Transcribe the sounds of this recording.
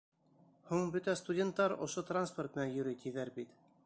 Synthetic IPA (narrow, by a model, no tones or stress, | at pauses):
huɴbɵt̪æst̪udʲent̪ːɑɾŏ̰ʃot̪ransport̪̚mɘ̆nænjɵ̆ɾɘt̪ʰʲiðæɾbit̪